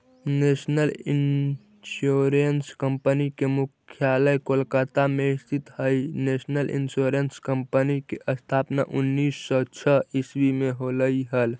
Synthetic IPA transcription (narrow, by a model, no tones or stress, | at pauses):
nesnəlin | soɾenskəmpənikemukʰjaləjkolkət̪ameist̪it̪həjnesnəlʔḭnsoɾenskəmpənikeʔəst̪ʰapna̰ʔunːisːɔt͡ʃʰəiswimeɦoləjɦəl